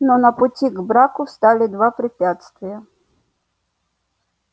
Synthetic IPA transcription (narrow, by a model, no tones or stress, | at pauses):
nonəpʊtʲiɡbɾakʊst̪alʲɪd̪vapɾʲɪpʲat̪st̪vʲɪjə